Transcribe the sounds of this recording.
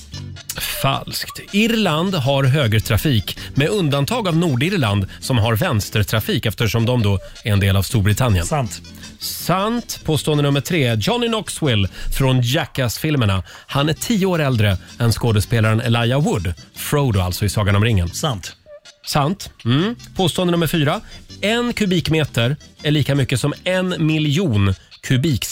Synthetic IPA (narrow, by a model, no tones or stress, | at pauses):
fa̰lskt̪ɪɾland̪ɦaɾɦøːɡɾət̪ʰɾafiːkmɛɵnd̪ant̪ʰɑːɡavnuːɖɪɾland̪sɔmɦaɾvɛnst̪ət̪ʰɾafiːkɛft̪əʂɔmd̪ɔmd̪ɔ | æɾɛnd̪eːlavst̪uːɾbɾɪt̪ʰanːjə̰n | sant̪pʰoːst̪oːənd̪ənɵmːəʈʰɾeːd͡ʒɔnːɪnɔkswɪlːfɾɔnd͡ʒɛkːasfɪlməɳa | hanæʈʰiːəoːɾɛld̪ɾəɛnskoːd̪əspeːlaɾənɛlajawʊd̪fɾoʊd̪ʊalt̪sɔɪsɑːɡaɳɔmɾɪŋːənt̪sant̪m̩pʰoːst̪oːand̪ənɵməɾfyːɾaɛnkʰɵbiːkmeːt̪əɾæɭiːkamʏkːəsɔmɛnmɪlɪuːnkʰɵbiːk